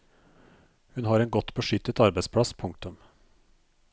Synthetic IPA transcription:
hʉnɦɑːɾɛeːnɡɔt̪ːbəʂʏt̪ːət̪ɑɾbæɪspʰɽɑspʰʊŋk̚t̪ʉm

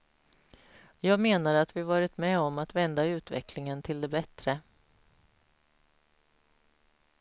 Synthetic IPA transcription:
jɑːɡmeːnaɾat̪vɪavɑːɾɪt̪mɛɔmat̪vɛnd̪aʉ̟ːt̪vɛ̰klɪŋənt̪ʰɪld̪ɛbɛt̪ɾə

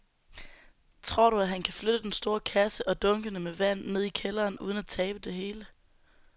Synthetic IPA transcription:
t͡sʰʁo̝ɐ̰ɾ̥uæɦænkʰæfløɾ̥əd̥ensd̥o̝ːɐkʰæsəʔɒ̽d̥ɔ̽ŋɡ̥ənəmeʋæn̰ːe̝ð̞̰ˠikʰelɐːnuːð̞ˠənæt͡sʰɛːb̥əd̥e̝ɦe̝ːlə

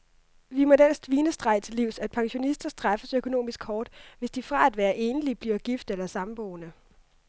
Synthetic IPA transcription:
ʋimɒ̽dæn̰sd̥ʋiːnəsd̥ʁɑ̈ɪ̰t͡sʰe̝lːiʊ̰sæd̥̚pʰɑ̈ŋɕo̝nisd̥ɐsd̥ʁɑfəsøkʰo̝no̝̰ːmisɡ̥hɒːd̥ʋe̝sd̥ifʁɑ̈æd̥ʋæːɐʔe̝ːnəlib̥liɐɡ̥ifd̥elɐsɑ̈mb̥ɔʊnə

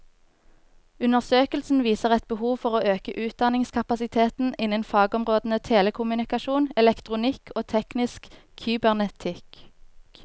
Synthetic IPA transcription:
ʉnəʁsøːkəlsn̩ʋiːsəʁɛt̪̚bəhuːʋfɔʁoːøːkəʔʉːt̪̚d̪ɑnɪŋskʰɑpɑsɪt̪ʰeːt̪n̩ɪnənfɑːɡɔmʁoːd̪n̩ət̪ʰeːləkʰʊmʉnɪkɑʃuːnɛlɛkt̪ʁʊnɪkʰoːt̪ʰɛknɪskʰː | yːbæʁnɛt̪ʰɪk

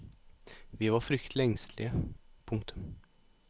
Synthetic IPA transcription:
vɪvaɾfɾʏkt̪ʰlɛŋsʰlɪəpʰʊŋkt̪ʰɵ̥m

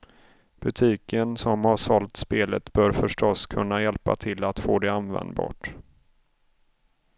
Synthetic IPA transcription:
b̥ɵt̪ʰiːkənsɔmhaʂɔlt̪speːlət̪b̥œːɾfœʂʈɔskʰɵnːajɛlpa̰t̪ʰɪlːat̪foːd̪ɛanvɛ̰nd̪bɑ̰ːʈ

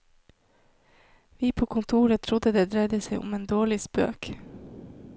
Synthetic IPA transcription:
ʋiːpʰoːkʰʊnt̪ʰuːɾət̪ʰɾʊd̪əd̪eːd̪ɾæɪd̪əsæɪʔʊ̰meːnd̪oːɭɪspø̰ːk

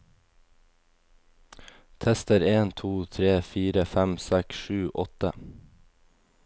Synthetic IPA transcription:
t̪ʰɛst̪əɾeːnt̪ʰuːt̪ʰɾeːfiːɾəfæmsɛksʃʉːʔɔt̪ə

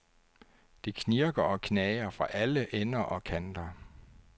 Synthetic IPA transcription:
d̥ekʰniɐɡ̥ɐɒ̽kʰnɛːɪɐfʁɑ̈ʔæləʔenɐʔɒ̽kʰænd̥ɐ

